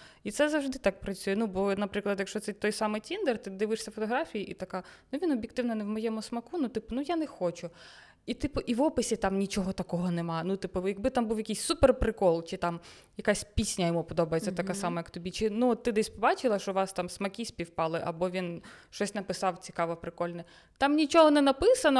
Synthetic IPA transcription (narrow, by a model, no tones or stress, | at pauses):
it̪sɛzɐwʐd̪ɪt̪ɑk̚pɾɐt͡sʲujɛnubɔnɐpɾɪklˠɐd̪jɐkʃt͡ʃɔt̪ɛt̪ɔjsɑmɪjtʲind̪ɛrt̪ɪd̪ɪʋɪʂsʲɐfɔt̪ɔɦɾɑfʲijiʔit̪ɐkɑnuʋʲinɔbʲjɪkt̪ɪwnɐnɛwmɔjɛmʊsmɐkunut̪ɪpʊnujanɛxɔt͡ʃʊ | it̪ɪpʊʔiʋɔpɪsʲɪt̪ɑmnʲit͡ʃɔɦɔt̪ɐkɔɦɔnemɑnut̪ɪpʊjɐɡ̚bɪt̪ɑmbuwjɐkijsʲsuperpɾɪkɔlˠt͡ʃɪt̪ɑm | jɐkasʲpʲisʲnʲɐjɔmupɔd̪ɔbɐjet͡sʲɐt̪ɐkasɑmɐjɐkt̪ɔbʲit͡ʃɪnuɔt̪ːɪd̪ɛsʲpɔbɑt͡ʃɪlˠɐʃɔʋɑst̪ɑmsmɐkʲisʲpʲiwpɑlˠɪʔɐbɔʋʲinʃt͡ʃɔsʲnɐpɪsɑwt͡sʲi̥kɑʋɐpɾɪkɔlʲnɛ | t̪ɑmnʲit͡ʃɔɦɔnɛnɐpɪsɐnɔ